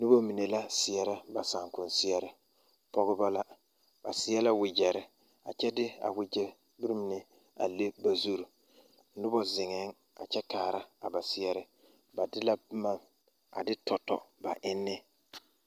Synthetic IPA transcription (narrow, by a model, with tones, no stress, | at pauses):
nʊ˦bo˦mi˨ne˨la˦sɪ˨ɛ˨ɾɪ˦ba˨sa˨ŋkʊ˨n˨sɪ˦ɛ˦ɾɪ˦ | pɔ˦ɣɪ˦ba˦la˦ | ba̰˨sɪ˦ɛ˦la˦wɪ˨d͡ʒɛ˨ɾɪ˦ | a̰˨t͡ʃɛ˦dɪ˦a̰˨wɪ˦d͡ʒɛ˦ | bi˦ɾi˦m˦nɪ˦ | a̰˨le˦ba˨zu˦ɾu˨ | n̩˦nʊ˦bɔ˦zɪ˨ŋɛ˨˦ŋ | a˨t͡ʃɛ˦taː˨ɾa˦a˨ba˨sɪ˦ɛ˦ɾɪ˦ | ba˨dɪ˦la˦bma˦m | a̰˨dɪ˦tʰɔ˨tɔ̰˨ba˨ʔɪ˦nːɪ˦